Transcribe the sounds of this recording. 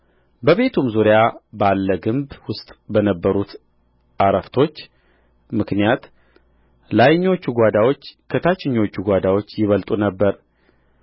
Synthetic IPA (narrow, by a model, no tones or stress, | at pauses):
bəβe̞t̪ʰumzuɾjabalːəɡɨmbwʊst̪ʼbənəbːəɾut̪ | ʔaɾəft̪ʰo̞t͡ʃː | mɨknijat̪ | lajɪɲːo̞t͡ʃːuɡʷad̪awo̞t͡ʃːkʰət̪ʰat͡ʃːɪɲːo̞t͡ʃːuɡʷad̪awo̞t͡ʃːjɪβəlt̪ʼunəbːəɾ